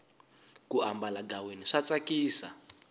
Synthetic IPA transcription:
kuambalaɡaweniʂat͡sakiːsa̰

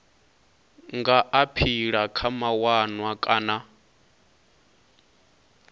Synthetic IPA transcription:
ŋɡaʔapʰiɺakʰamawanwakʼaːna

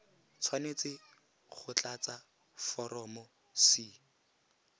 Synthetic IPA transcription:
t͡sʰwanet͡sɪ | χʊt͡ɬat͡sa | fɔɾɔmɔ | sɪ

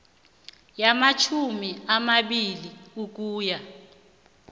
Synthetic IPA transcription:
jamat͡ʃʰumiamaɓiliuk̬uːja

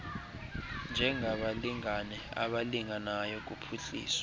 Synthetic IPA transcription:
nd͡ʒʱɛŋʱaɓaliŋanɛa̰ɓaliŋanajɔk̬upʰuɬḭːswḁ

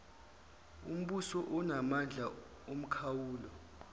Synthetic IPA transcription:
um̩ɓusɔʔunamand͡ɮʱa | um̩kʰawuːlɔ

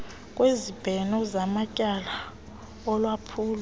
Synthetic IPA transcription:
kʼwezib̥ʱɛnɔzamacʼala | ɔlwapʰuːla

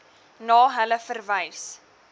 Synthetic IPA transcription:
nɑːɦələfərvəjs

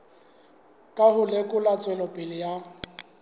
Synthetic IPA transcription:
kʼaɦʊlekʼʊlat͡sʼwɛlɔpʼɪlɪja

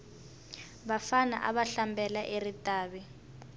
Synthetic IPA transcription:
βafana̰ʔa̰βaɬambɛlaʔeritʼaːβɛ

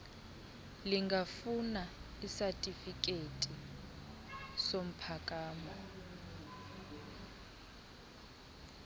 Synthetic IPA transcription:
liŋɡafuna | isatʼifik̬ʼetʼi | som̩pʰakʼaːmɔ

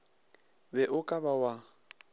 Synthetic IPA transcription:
bɛʔʊkʼabawa

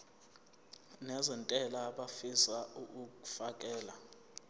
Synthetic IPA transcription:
nɛzɛntʼɛlaɓafisauuku̥fak̬ʼɛːla

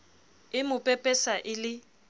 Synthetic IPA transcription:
ɪmʊpʼɛpʼɛsaʔɪlɪ

